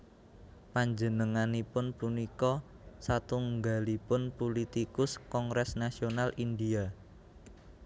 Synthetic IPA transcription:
paɲd͡ʒənəŋanipʊnpunikɔ | sat̪uŋɡalipʊnpulit̪ikʊskɔŋɾɛsnasionalindia

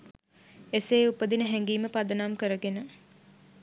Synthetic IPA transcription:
eseːupəd̪inəɦɛŋɡiːməpad̪ənamkəɾəɡenə

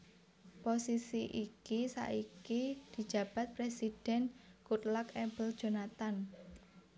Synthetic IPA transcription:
posisiʔikisa̰ʔikid̪̥i̤̥ʒ̥ä̤b̥a̤t̪̚pɾesid̥ɛ̤nkut̪lakɛmbəld̥ʒ̥o̤nat̪an

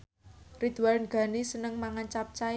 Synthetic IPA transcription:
rid̪̥uwarnɡ̥a̤nisənəŋmaŋant͡ʃap̚t͡ʃa

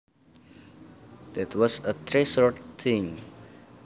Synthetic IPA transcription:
d̪̥ɛtʰwɔsət̪ʰɾesɔʈt̪ʰĩŋ

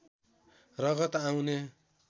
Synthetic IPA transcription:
rʌɣʌt̪aw̃ne

